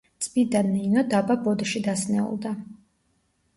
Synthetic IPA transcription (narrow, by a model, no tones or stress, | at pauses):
t̪sʼbid̪anːiːnɔd̪ababɔd̪ʃid̪asnɛṵlˠd̪a